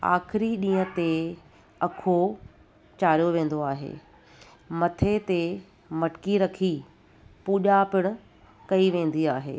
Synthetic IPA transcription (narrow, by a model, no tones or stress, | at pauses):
a̰ːxɪɾiɗĩːə̃t̪e | ɐkʰo | t͡ɕaːɾijoʋẽːn̆d̪oaːɦḛː | mɐt̪ʰet̪e | mɐʈkiɾɐkʰi | puːʄapɪɽ̃ʊ̆ | kɐiʋẽːn̆d̪iaːɦḛː